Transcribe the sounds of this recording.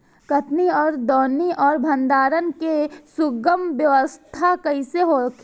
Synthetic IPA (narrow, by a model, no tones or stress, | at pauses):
kɐt̪niɔːɾd̪ɔːniʔɔːɾbʱɐ̃nd̪aːɾənkesʊɡəmʋjɐʋəst̪ʰakɐiseɦoːkʰ